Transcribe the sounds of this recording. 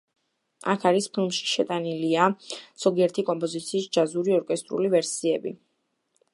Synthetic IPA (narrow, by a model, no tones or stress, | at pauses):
a̰kʰaɾispʰilˠmʃi̥ʃɛt̪ʼaniliaz̥ɔɡiɛɾt̪ʰikʼɔmpʼɔzit̪sʰiːsd͡ʒazuɾiɔɾkʼɛst̪ʼɾṵlivɛɾsiɛbḭ